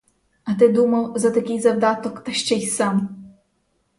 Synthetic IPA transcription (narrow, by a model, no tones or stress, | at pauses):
ɐt̪̬ɪd̪umɐwzɐt̪ɐkʲijzɐwd̪at̪ɔkt̪ɐɕt͡ʃɛjsam